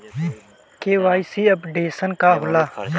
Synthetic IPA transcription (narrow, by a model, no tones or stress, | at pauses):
keːʋaːisiːɐpɖeːsənkaːɦʊlaː